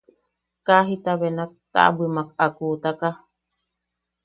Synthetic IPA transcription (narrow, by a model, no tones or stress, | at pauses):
kaɦit̪aβenak̚t̪a̰ʔbimakakut̪aka